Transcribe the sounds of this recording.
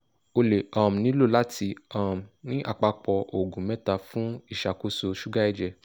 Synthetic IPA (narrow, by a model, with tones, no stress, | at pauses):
o˧le˨ɔ˨m̩˨nĩ˨˦lo˦˨la˦ti˧ɔ˦˨m̩˨nĩ˦ʔa˨k͡pa˧k͡pɔ˧ʔo˨ɡũ˨mɛ̃˦ta˧fũ˦i˦˨ʃa˨ko˧so˧ʃu˦ɡa˦i˦˨d͡ʒɛ˧˨